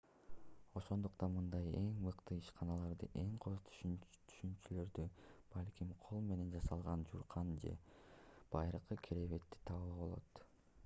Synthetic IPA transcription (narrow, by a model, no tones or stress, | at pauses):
o̞ʃo̞nd̪uqt̪ɑnmɯnd̪ɑje̞ŋmɯqt̪ɯiʃqɑnɑlˠɑɾd̪ɯʔe̞ŋqʰot̪ʰt̪ʰy̥ʃynt͡ʃylø̞ɾd̪yb̥ɑlʲkʲimqʰo̞lˠme̞ne̞nd͡ʒɑsɑlˠʁɑnd͡ʒuɾqɑnd͡ʒe̞̰b̥ɑjɾɯqɯkʲʰiɾeβe̞t̪ːi̥t̪ʰɑβɯbo̞lˠo̞̰t̪